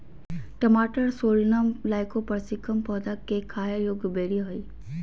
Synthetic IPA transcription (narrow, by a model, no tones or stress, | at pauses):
ʈɐmaːʈəɾsoːɾnamlaːɪkopɐɾsikəmpɔːd̪akːekʰaːjəɾjoːɡbeːɽiɦoiː